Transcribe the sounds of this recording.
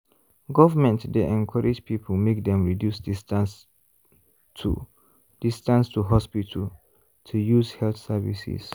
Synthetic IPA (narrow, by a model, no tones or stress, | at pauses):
ɡɔvəmɛ̃ntdeɛ̃nkʰɔɹʔid͡ʒpʰipʰəmek̚dɛ̃mɹidjusdists | tʰṵ | d̥istãnstʰuɦɔspitʰəl | tʰujuzhɛlθsɛvḭsḭs